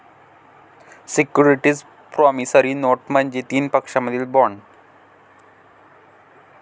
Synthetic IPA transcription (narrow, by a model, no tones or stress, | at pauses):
sikjuɾiʈiːd͡z | pɾɔmisəɾiːnoʈməɳd͡ʑet̪iːnpəkʂaməd̪ʱiːlbɔɳ